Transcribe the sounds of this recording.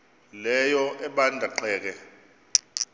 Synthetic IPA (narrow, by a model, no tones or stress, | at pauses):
lɛjɔʔɛɓandʱaǃɛːk̬ɛ